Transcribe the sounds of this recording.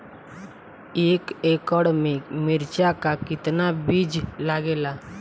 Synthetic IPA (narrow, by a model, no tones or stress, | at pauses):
eːkeːkɔɽmẽmɪɾt͡ʃakakɪt̪nabiːd͡ʒlaːɡeːlaː